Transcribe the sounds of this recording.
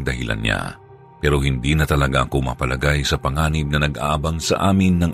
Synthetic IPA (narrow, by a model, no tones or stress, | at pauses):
ŋd̪ɐhɪla̰nɲa̰ | pɛːɾo̞hɪnd̪inɐt̪ɐlɐɡaʔɐkomɐ̰pɐlɐɡajsɐpɐŋaːnɪb̚nɐnɐɡʔa̰ːʔɐbaŋsɐ̰ʔaːmɪnːɐŋʔ